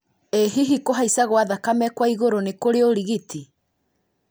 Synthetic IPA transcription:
eɦiɦikoɦaisaɣwaðakamɛkwaiɣoɾonekoɾeoɾiɣitʰi

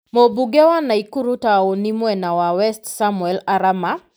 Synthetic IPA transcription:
mobuɡewanaikuɾutaonimwɛnawawɛstsamwɛlaɾama

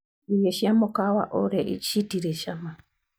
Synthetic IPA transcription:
ijeʃiamokawa̰ʔoɾeʔit͡ʃitiɾeʃama

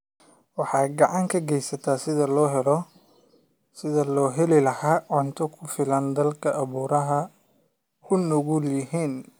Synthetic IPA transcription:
wɑħɑːɡɑʕɑŋkʰɐɡɛjsɐt̪ʰaːsɪðɐlɔːɦɛlɔ | sɪðɐlɔːɦɛlɪlɐhaːʕʊnt̪ʰɔkʰʊfɪlɐnd̪ɐlkʰɐʔːβuːɾɐɦɐ | kʰʊnːɔɣuljɪhiːn

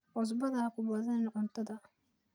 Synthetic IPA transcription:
ʔɔs̬bɐðɐkʰʊbɐðɐnːʔʊnt̪ʰɐðɐ

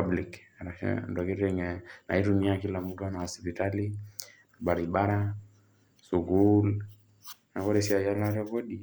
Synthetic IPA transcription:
ablik | ɾaʃɛ̰ndɔkiɾɛŋɛna̰iɾuniakilamudanahɔspitali | ɓaɾiɓaɾa | suɣul | nakɔɾɛsiajalaɾɛkɔɗi

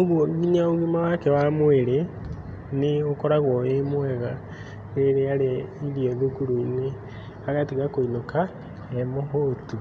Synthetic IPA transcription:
oɣwɔŋɡiɲaoɣimawakɛwamoeɾe | neokɔɾaɣwɔemwɛɣa | ɾeɾeaɾeiɾiɛðukuɾune | aɣatiɣakoinoka | ɛmoɦotu

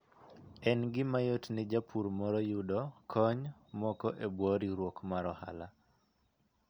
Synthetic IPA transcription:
ɛnɡɪmajotnɪd͡ʒapʰuɾmɔɾɔjudɔkʰɔɲmɔkɔʔebwɔɾiɾwokmaɾɔha̰la

